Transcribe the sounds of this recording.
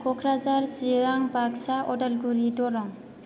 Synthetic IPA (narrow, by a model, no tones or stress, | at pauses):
kʰɔkʰɾazaɾsiɾaŋbaksaʔɔtelɡuɾidɔɾɔŋ